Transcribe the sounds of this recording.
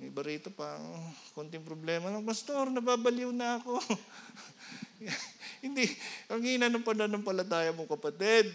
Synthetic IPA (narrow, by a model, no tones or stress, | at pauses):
mɐjbɐɾiːt̪opɐokoːnt̪ɪŋpɾoblɛːmɐlɐŋpɐst̪oɾnɐbaːbɐlɪwnɐɐko̞ | hɪnd̪ikɐŋiːnɐnɐŋpɐnɐnoŋpɐlɐt̪aːjɐmokɐpɐt̪ɪd̪̚